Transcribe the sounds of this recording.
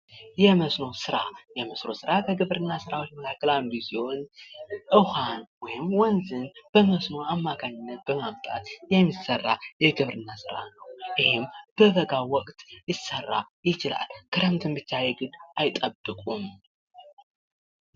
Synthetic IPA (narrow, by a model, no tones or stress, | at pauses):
jɛməsno̞sɨɾa̰jɛməsɾo̞sɨɾakʰəɡɨβɾɨnːasɨɾawot͡ʃːməkʰakːəlanbizijo̞nʔɨhanwɔjɪmwɔnzɨnb̥əməsno̞amːakʰaɲːɪnːət̪̚bəmaβt̪ʼa̰t̪jɛmːisːərːa̰jɛɡɨβɾɨnːasɨɾa̰nəwʔɪhɪmb̥əβəɡawɔkʼt̪jɪsərːa̰jɪt͡ʃɪla̰lkʰɨɾəmt̪ʰɨmbɨt͡ʃːajɛɡɨd̪ajt̪ʼəbːɨkʼum